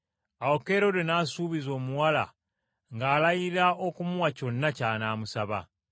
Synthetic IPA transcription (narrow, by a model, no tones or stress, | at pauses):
awo̞ke̞ɾo̞denaːsuːβizo̞ːmuwala̰ | ŋɡaːlajiɾaokumuwaco̞nːacaːnaːmusaβa̰